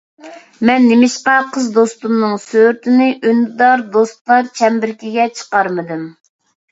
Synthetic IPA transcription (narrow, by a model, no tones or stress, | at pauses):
mɛnːɪmɪʃqɑqʰəzd̪ost̪umnɨŋsøɾt̪ʰɪnɪʔynd̪d̪ɑɾd̪ost̪lˠɑɾt͡ʃʰɛmbɪɾkʲiɡʲɛt͡ʃʰə̥qɑɾmɨd̪ɨm